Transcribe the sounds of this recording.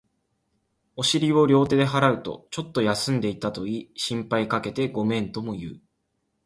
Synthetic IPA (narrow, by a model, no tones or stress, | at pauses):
o̞ɕiɾʲio̞ɾʲo̞ːt̪e̞d̪e̞ɦaɾaɯ̟t̪o̞̰t͡ɕo̞t̪ːo̞jasɨ̃nd̪e̞it̪at̪o̞iːɕĩmpaikake̞t̪e̞ɡo̞mẽ̞nt̪o̞mo̞jɯ̟̰ː